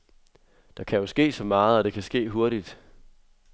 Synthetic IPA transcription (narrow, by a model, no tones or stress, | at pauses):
d̥ɑ̈kʰæjo̝sɡ̥e̝̰ːsɒ̽mɑ̈ːð̩ˠɒd̥e̝kʰæsɡ̥e̝̰ːɦo̝ɐɾ̥id̥